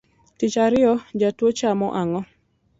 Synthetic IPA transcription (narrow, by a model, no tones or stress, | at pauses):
tɪt͡ʃaɾɪɔd͡ʒatwot͡ʃamɔʔaŋɔ